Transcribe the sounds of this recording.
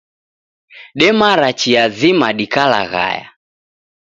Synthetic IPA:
ɗɛmaɾat͡ʃiazimaɗikala̰ɣa̰ja̰

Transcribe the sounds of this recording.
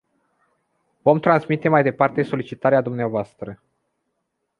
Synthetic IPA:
vo̞mt̪ɾanzmit̪e̞majd̪e̞part̪e̞so̞lit͡ʃit̪aɾead̪umneavoast̪ɾə

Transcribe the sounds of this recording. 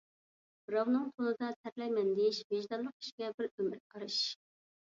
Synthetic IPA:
bɾɑwnɨŋt̪ʰonɨd̪ɑsæɾlɛjmɛnd̪ɪʃveʒd̪ɑlˠːʊq̚i̥ʃɡʲɛbɪɾømɪɾqʰɑɾɨʃ

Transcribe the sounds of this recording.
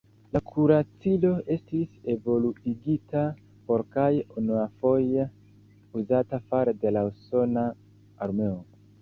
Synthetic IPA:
lakʰuɾat͡silo̞e̞stise̞vo̞luiɡita | po̞ɾkajunuafo̞je | uzatafaɾde̞lauso̞naː | ɾme̞o

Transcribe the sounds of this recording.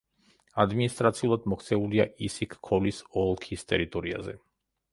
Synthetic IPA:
ad̪minist̪ʼɾat̪sʰiulˠad̪mɔkʰt̪sʰɛuliaʔisikʰːɔlisɔlˠkʰist̪ʼɛɾit̪ʼɔɾia̰zɛ̰

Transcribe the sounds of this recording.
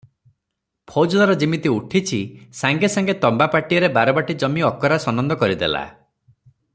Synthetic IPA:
pʰod͡ʒulaɾɔd͡ʒimit̪iuʈʰit͡ʃʰisaŋɡesaŋɡet̪ɔmbapaʈijɔɾebaɾɔbaʈid͡ʒɔmiɔkɔɾasɔnɔnd̪ɔkɔɾid̪ḛla̰

